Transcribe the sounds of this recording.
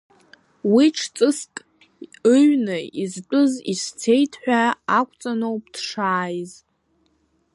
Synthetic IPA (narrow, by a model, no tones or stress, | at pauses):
wiʈ͡ʂʰt͡sʼɨskʼ | ɨɥnɨizt͡pʷʼɨzist͡sʰe̞jtʰħʷᶣaakʷʼʰt͡sʼanowp̚ʼd̥ʂaːjz